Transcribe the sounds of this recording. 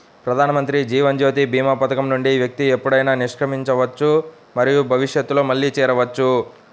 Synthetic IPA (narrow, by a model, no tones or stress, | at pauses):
pɾɐd̪ʱaːnɐmɐnt̪ɾid͡ʒiːʋɐɲd͡ʒo̞ːt̪̬ibʱiːmapɐt̪ɐkɐmnuɳɖiʋjɐk̚t̪iepːuɽɐjnaːniʂkɾɐmiɲt͡ʃɐʋɐt͡ʃːu | mɐɾijubʱɐʋiʂjɐt̪ːulo̞ːmɐɭːit͡ʃɛːɾɐʋɐt͡ʃːu